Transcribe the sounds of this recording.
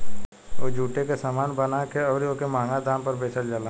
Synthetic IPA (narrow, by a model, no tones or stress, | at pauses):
oːd͡ʒʱuːʈekesaːmaːnbənakeɔːɾiokemãːŋɡad̪ãːmpəɾbeːsʰəld͡ʒalaː